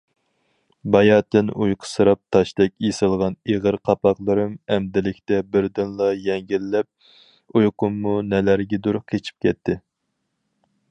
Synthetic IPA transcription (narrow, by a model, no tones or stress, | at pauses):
bɑjɑːt̪ɪnujqʰə̥sɨɾɑp̚t̪ʰɑʃd̪ɛkʲesɨlˠʁɑneʁəɾqʰɑpɑqlˠɨɾɨmɛmd̪ɪlɪkʲt̪ɛbɪɾd̪ɨnlˠɑjɛŋɡʲilːɛp̚ | ujqʊmːunɛlæɾɡʲɛd̪uɾkʲʰet͡ʃʰi̥p̚kʲʰɛt̪ʰːɪ